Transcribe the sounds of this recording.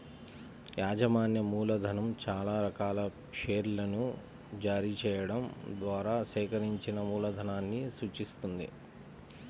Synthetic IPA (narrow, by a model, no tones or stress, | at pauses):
jaːd͡ʒɐmaːnjɐmuːlɐd̪ʱɐnɐmt͡ʃaːlaːɾɐkaːlɐ | ʂeːɾlɐnu | d͡ʒaːɾit͡ʃɛːjɐɽɐmd̪ʋaːɾaːsɛːkɐɾiɲt͡ʃinɐmuːlɐd̪ʱɐnaːnːisuːt͡ʃist̪und̪ḭ